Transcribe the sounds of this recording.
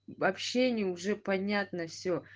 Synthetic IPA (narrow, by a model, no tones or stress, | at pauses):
vɐpɕːenʲɪjəuʐɛpɐnʲat̪nəfsʲo